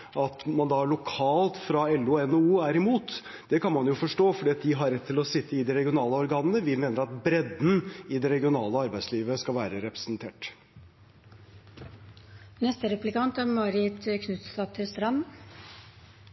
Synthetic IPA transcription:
ʔɑt̪mɑnd̪ɑɭʊkʰɑːlt̪fɾɑɛlːʉɛnouːæɾɪmuːt̪ | d̪̥ɛkɑnmɑnjʊfɔʂʈoːfɔɖiːɑt̪̚d̪ɪɦɑɾɛt̪ʰːɪlɔsɪt̪ʰːəɪd̪ɛɾɛɡɪʊnɑːləɔɾɡɑːnənəʋɪmeːnəɾɑt̪bɾɛd̪n̩ɪd̪ɛɾɛɡɪʊnɑːləɑɾbæɪsliːʋəskɑlʋæːɾəɾɛpɾə̥snt̪ʰeːʈ | nɛst̪əɾɛplɪkɑnt̪ɑmɑːɾɪt̪kʰnʉt̪st̪ɑpt̪ʰɪlst̪ɾɑm

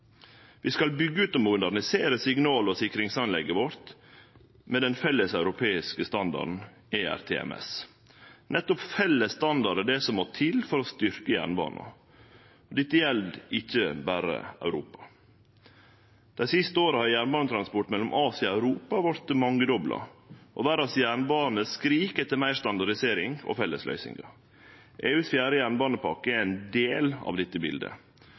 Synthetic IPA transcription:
ʋiːskɑlbʏɡːəʉːt̪ɔmmʊd̪æɾɳɪseːɾəsɪŋnɑːlɔsɪkɾɪŋsɑnlɛɡːəʋɔɾt̪ | mɛd̪ɛnfɛlːəsɑʉɾʊpʰeːɪskəst̪ɑnd̪ɑ̰ɖn̩ | eːæ̰ɾt̪ʰḛːɛ̰mɛ̰s | nɛt̪ːɔpfɛlːəsːt̪ɑnd̪ɑɾəd̪ɛsɔmːot̪ʰɪlfɔɾɔst̪ʏɾkəjæ̰ːɳbɑ̰ːnɑ̰ | ɔd̪ɪt̪ːəjɛld̪ɪçːəbæːɾə̰œ̰ʉɾuːpɑ̥ | d̪̥æɪsɪst̪əoːɾəhɑɾjæːɳbɑːnət̪ʰɾɑnspɔʈːmɛlːɔmʔɑːsɪɑɑʉɾuːpɑʋɑɾt̪mɑŋːəd̪ɔblɑ̰ʔɔʋæːɾɑsjæːɳəbɑːnəskɾiːkət̪ɪlmæɪst̪ɑnd̪ɑɾɪseːɾɪŋɔ̰fɛlːəslœ̰ʏsɪ̰ŋɡɑ | ʔeːʉːsfjæːɾəjæːɳbɑːnəpʰɑɾkəɛæɪnd̪eːlɑ̰ʋd̪ɪt̪ːəbɪ̰ld̪ə̰

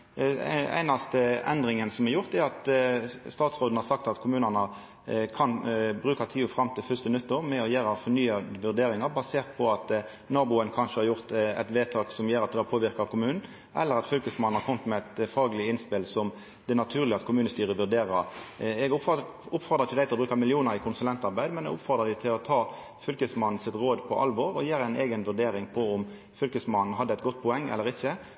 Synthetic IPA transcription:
æ̰ɪnɑst̪əɛ̰nd̪ʁɪŋənsɔmɛɾjʊʁt̪ɛɾɑt̪st̪ɑːt̪sʁoːd̪n̩hɑɾsɑkt̪ɑt̪kʰʊmʉːnənə | kʰɑnbɾʉːkɑt̪ʰiːʊfɾɑmːt̪ʰɪlfʏst̪ənʉt̪ːəɾmɛɔjeːɾɑfɔɾnyːɑʋʉʁd̪eːɾɪŋɑʁbɑseːʁt̪̚pʰɔɑt̪ | nɑːbʊənkʰɑnʂəhɑɾjʊʁt̪ɛ̰t̪ʋeːt̪ʰɑːksɔmjøːɾɑt̪̚d̪ɛɑpʰoːʋɪɾkɑʁkʰʊmʉːnn̩ | ʔɛ̰lːəɾɑt̪fʏlkəsmɑnn̩hɑɾkʰɔmt̪mɛɛt̪fɑːɡlɪɪnspɪlsɔm | d̪̥ɛnɑt̪ʰʉːʁlɪəɑt̪kʰʊmʉːnəst̪yːɾəʋʉɾd̪eːɾɑɛɡ | ʊpfɔʁd̪ɑʁɪçʰɪəd̪æɪlbɾʉːkɑmɪlɪuːnəɾɪkʰʊnsʉlɛnt̪ɑɾbæɪd̪mɛnɛ̰ɡʊpfɔʁd̪ɑd̪ɪt̪ʰɪlɔt̪ʰɑː | fʏlkəsmɑnn̩sɪt̪ʁoːd̪pʰɔʔɑ̰lʋɔːɾɔjiːɾæɪneːɡənʋʉʁd̪eːɾɪŋpʰɔʊm | fʏlkəsmɑnn̩ɦɑd̪ːəɛɪt̪ɡɔt̪̚ːpʰʊɛŋːɛ̰lːəɾɪçːə

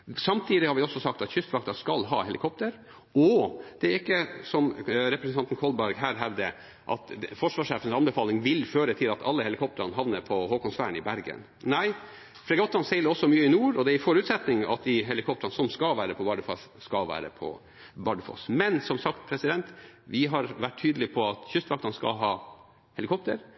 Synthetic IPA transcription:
sɑmt̪ʰiːd̪ɪhɑɾʋɪɔsːɔsɑk̚t̪ɑt̪çʏst̪ʋɑkt̪ɑskɑlɦɑ̰ːhɛlɪ̰kʰɔp̚t̪əɾ | ɔd̪̥ɛæɾɪkːəsɔmɾɛpɾɛsn̩ɑnt̪n̩kʰɔlbæɾɡɦæːɾɦæʋd̪ə | ʔɑ̰t̪fɔʂʋɑːʂeːfənsɑnbɛfɑːlɪŋʋɪlføːɾət̪ʰɪlɑt̪ɑ̰lːəhɛlɪkʰɔp̚t̪əɾɑnɦɑʋnəɾpʰɔɦoːkɔnsfæːəɳɪbæɾɡə̰n | næɪ | fɾɛɡɑt̪ːɾɑnsɛɪləɔsːɔmyːəɪnuːɾɔd̪ɛæɾɪfɔɾʉːt̪sɛt̪nɪŋɑ̰t̪̚d̪ɪɦɛlɪkʰɔp̚t̪əɾɑnsɔmskɑʋæːɾəpʰɔbɑɖəfɑsːkɑlʋæ̰ːɾə̰pʰɔ̰ | bɑɖfɔ̰smɛnsɔmsɑkt̪pʰɾɛsɪd̪ɛnt̪ʋɪɦɑɾʋæʈʰːyːd̪əlɪpʰɔɑt̪çʏst̪ʋɑk̚t̪ɑnskɑ̰lɦɑː | hɛlɪkʰɔp̚t̪əɾ

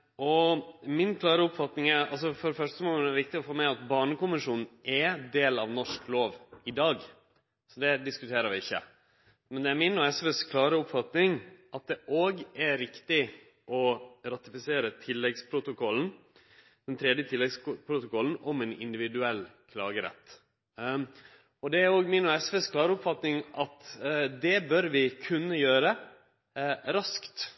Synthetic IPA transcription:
ʔɔmɪnkʰlɑːɾəʊpfɑt̪nɪŋɛɾɑls̬ɔfɔɾfœʂʈəmomɛɾʋɪk̚t̪ɪɔfoːmæɪɑt̪bɑːɳəkʊmɪʂuːnn̩ʔɛd̪eːlɑʋnɔʂkloːʋɪd̪ɑːɡ | sɔd̪ɛd̪ɪskʉt̪ʰeːɾəɾʋɪɪçːə̰ | mɛnd̪ɛæɾmɪnoːɛsʋɛskʰlɑːɾəʊpfɑt̪nɪŋʔɑt̪̚d̪ɛʔoːɡæɾɪkt̪ɪ | ʔɔɾɑt̪ɪfɪseːɾət̪ʰɪlːɛɡspʰɾʊt̪ʊkɔln̩ | d̪̥ɛnt̪ʰɾɛd̪jət̪ʰɪlːɛɡspʰɾʊt̪ʊkʰɔln̩ɔmɛnɪ̰nd̪ɪʋɪd̪ʉɛlːkʰlɑːɡəɾɛ̰t̪ː | ɔd̪ɛæɾoːɡmɪnɔɛsʋeːskʰlɑːɾəʊpfɑt̪nɪŋʔɑt̪d̪ɛbœɾʋɪkʰʉnːəjøːɾə | ɾɑskt̪

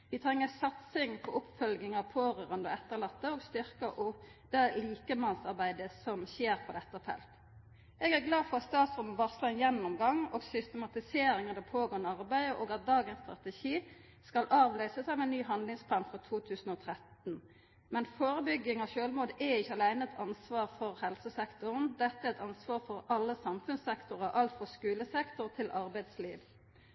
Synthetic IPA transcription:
ʋɪt̪ʰɾɛŋːəsɑt̪sɪŋpʰɔʊpfœlɡɪŋɑpʰoːʁøːʁənd̪əɔɛt̪ːəʁlɑt̪ːəoːɡst̪ʏʁkəʔʊ | d̪̥ɛliːkəmɑnsɑʁbæɪd̪əsɔmɕeːɾpʰɔd̪ɛt̪ːəfɛ̰lt̪ | ɛɡæɾɡlɑːdfɔʁɑt̪st̪ɑːt̪sʁʊmːəʋɑʁslɔɛnjɛnːʊmɡɑŋːoːɡsʏst̪əmɑt̪ɪseːɾɪŋəd̪æpʰoːɡoːɛnəɑʁbæɪd̪əʔoːɡɑt̪̚d̪ɑːɡənst̪ʁɑt̪əʃiː | skɑlʔɑːʋlœʏsəsɑmɛnːyːɦɑnd̪lɪŋspʰlɑːnfʁɔt̪ʰuːt̪ʰʉːsən̩oːt̪ʰɾɛt̪n̩ | mɛnfoːɾəbʏɡːɪŋɔçøːlmoːd̪ɛɪçːəɑlæɪnəɛt̪ʰɑnsʋɑːʁfɔɾhɛlsəsɛkt̪ʊʁnd̪ɛt̪ːəæːʁɛt̪ɑnsʋɑːʁfɔɾɑlːəsɑmfʉnsɛkt̪ʊʁəʔɑlt̪fɔʁskʉːləsɛkt̪ʊʁt̪ʰɪlʔɑɾbæɪd̪slḭːʋ

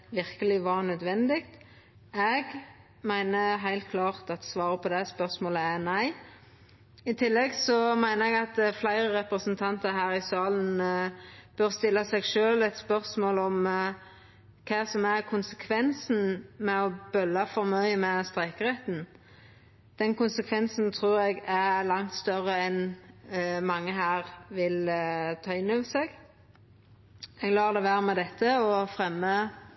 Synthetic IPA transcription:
ʋɪʁkəlɪʋɑːʁnœd̪ʋɛnd̪ɪɡt̪ | ɛɡ | mæɪnəɦæɪlt̪̚kʰlɑːʁt̪ɑt̪sʋɑːʁəpʰɔd̪ɛspœʁsmoːləænæɪ | ɪt̪ʰɪlːɛɡsɔmæɪnəɛɡɑt̪flæɪʁəʁɛpɾəsənt̪ʰɑnt̪ɑɾɦæːɾɪsɑːlən̩ | b̥œɾst̪ɪlːɑsɛɡʃøːlɛt̪spœʁsmoːlɔm | kʰɑːsɔmæʁkʰʊnsəkʰʋɛnsn̩mɛɔbœlːɑfɔɾmœʏəmɛst̪ʁæɪkəɾɛt̪n | d̪̥ɛnkʊnsəkʰʋɛnsnt̪ʰʁuːɾɛɡælɑŋt̪st̪œɾəɛn | mɑŋːəɦæːʁʋɪlt̪ʰɑːɪnːɔʋəsɛːɡ | ɛɡlɑːʁd̪ɛʋæːɾəmɛd̪ɛt̪ʰːəɔfɾɛmːə

